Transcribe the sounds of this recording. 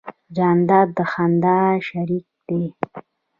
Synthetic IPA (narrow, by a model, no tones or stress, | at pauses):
d͡ʒand̪ad̪əxand̪aʃaɾik̚d̪e